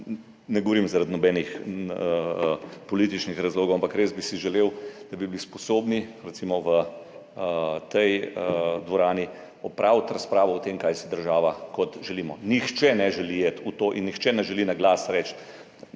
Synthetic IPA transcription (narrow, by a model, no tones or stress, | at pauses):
nɛɡoʋoɾimzaɾad̪nɔbɛːnix | pɔliːt̪it͡ʃnixɾazloːɡɔʊampakɾeːzbisiʒɛleːwd̪̥abiblispɔsoːbniɾɛt̪simɔʋə | t̪ɛjəd̪ʋɔɾaːni | ɔpɾawt̪ɾaspɾaːʋɔɔt̪emkaːjsɛd̪əɾʒaːʋakɔt̪ʒɛliːmɔnixt͡ʃɛnɛʒɛlijet̪ut̪oːʔḭnːixt͡ʃɛnɛʒɛlinaɡlasɾɛt͡ʃt̪